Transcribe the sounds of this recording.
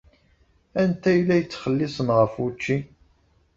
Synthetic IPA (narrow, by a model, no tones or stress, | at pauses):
ænt̪æjlːæjət͡sːχəlːisənʁəfut͡ʃːi